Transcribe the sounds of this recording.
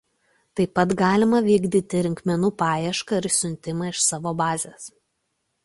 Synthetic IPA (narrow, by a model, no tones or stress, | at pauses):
t̪ɐɪpɐt̪ɡɑːlʲɪmɐʋʲiːɡd̪ʲiːt̪ʲɪɾʲɪŋʲkmʲɛnuːpɑːjɛʃkɐɪɾsʲʊnʲˑt̪ʲɪmɑɪʃsɑːʋoːbɑːzʲeːs